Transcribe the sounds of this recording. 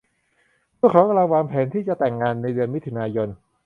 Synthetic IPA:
mʰɯ˥˩ɐkʰaː˨˦˥ka˧la˧waː˧mpʰɛː˩˦nt̪ʰiː˥˩t͡ɕa˨˩t̪ɛ˨˩ŋːaː˧nːa˧jdɯ˧ənmi˦˥t̪ʰːu˧naː˧jo˧n

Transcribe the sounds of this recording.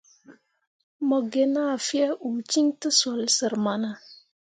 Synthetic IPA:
mə˨ɡe˨na˦˨fi˦a˦ʔu˨t͡ʃi˦ŋtə˦so˨lsə˨ɾma˨na˨

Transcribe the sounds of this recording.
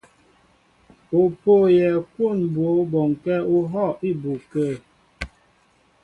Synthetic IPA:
o˨po˦˨jɛ˨kwo˦˨n˨bo˨˦bɔ˨ŋ˨kɛ˦u˦ɦɔ˦˨i˦˨bu˨kə˦˨

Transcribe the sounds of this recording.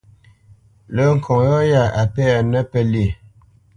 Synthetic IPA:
lə˨˦ŋ̩˨kʰɔ˨ŋjɔ˦ja˦˨a˨pɛ˦a˨nə˦pɛ˦li˦˨

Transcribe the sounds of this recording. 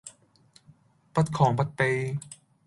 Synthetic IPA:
pa˧t̪̚kʰɔː˨˩˦ŋpa˧t̪̚pe˧

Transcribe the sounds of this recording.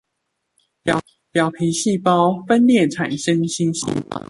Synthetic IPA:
pjɑ˨˩ʊpʰi˨˥ŋɕi˥˨pɑ˥˦ʊfə˦nljɛ˥˨nʈ͡ʂʰa˨˩nʂə˦ŋɕi˥˦nɕḭ˧˥

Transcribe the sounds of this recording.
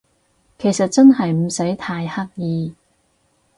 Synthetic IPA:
kʰe˨˩jsɐ˨t̚t͡sɐ˥nɦɐ˨jm̩˨˩sɐ˨˥jt̪ʰaː˧jhɐ˥k̚jiː˨˧

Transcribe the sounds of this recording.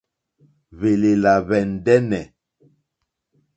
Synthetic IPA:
βe˨le˨la˨βɛ˨n˨dɛ˦nɛ˨

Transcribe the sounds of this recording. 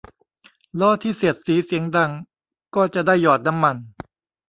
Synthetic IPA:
lɔː˦˥˩t̪ʰiː˥˩se˨˩ət̪̚siː˩˦si˩˦əŋda˧˩ŋ | kɔː˥˩t͡ɕa˨˩daː˥˩jːɔː˨˩t̪̚na˦˥mːa˧n

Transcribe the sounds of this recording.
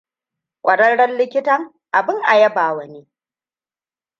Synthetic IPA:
kʷʼɐ˨ɽɐ˦ɽɐ˦nlɪ˦kʲɪ˦tɐ˦ŋ | ʔa˨bɪ˦ŋʔa˨jɐ˦baː˨wɐ˨neː˦

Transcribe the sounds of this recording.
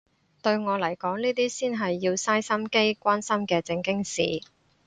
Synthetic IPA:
t̪ɵ˧ɥŋɔː˨˧lɐ˨˩jkɔː˨˥ŋniː˥t̪̬iː˥siː˥nɦɐ˨jːiː˧wsaː˥jsɐ˥mke˥jkʷaː˥nsɐ˥mkɛː˧t͡sɪ˧ŋkɪ˥ŋsḭː˨

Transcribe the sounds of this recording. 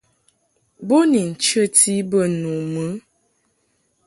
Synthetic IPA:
bo˦ni˨n̩˨t͡ʃə˦ti˦bə˦˨nu˨mə˦

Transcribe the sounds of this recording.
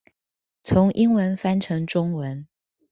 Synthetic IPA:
t͡sʰʊ˧˥ŋʔi˥ŋwə˧˥nfa˥nʈ͡ʂʰɤ˧˥ŋʈ͡ʂʊ˥ŋwə˨˦n

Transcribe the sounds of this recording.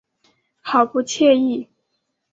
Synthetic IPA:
xɑ˨˩ʊpu˥˧t͡ɕʰjɛ˥˧i˥˩

